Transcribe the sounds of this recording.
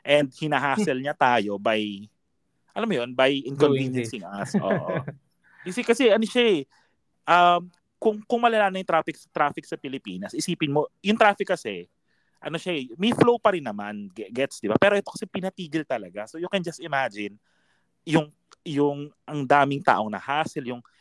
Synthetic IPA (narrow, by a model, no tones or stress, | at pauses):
ʔɛnd̪̚hɪnaɦaːsɛlɲɐt̪aːjo̞baj | ʔɐlamːojonbajʔɪnkonvinjɐsɪŋʔɐsʔoʔo̰ | ɪsɛkɐsɛʔɐnoʃaɛ | ʔɐm | kʊŋkʊŋmɐlɐlaːnɐŋjʊŋt̪ɾaːfɪk̚sɐt̪ɾaːfɪk̚sɐpɪlɪpiːnɐsʔɪsiːpɪnmo̞jʊŋt̪ɾaːfɪkːɐsɛ | ʔɐno̞ʃaɛmɛjflowpɐɾɪnːɐmanɡɛt̪sd̪ɪbapɛːɾoʔɛt̪okɐsɛpɪnɐt̪iːɡɪlt̪ɐlɐɡasojokɐnd͡ʒɐst̪ɪmaːd͡ʒɪn | jʊŋ | jʊŋʔɐŋd̪aːmɪŋt̪a̰ːʔo̞ŋnɐ̰haːsɪljʊŋ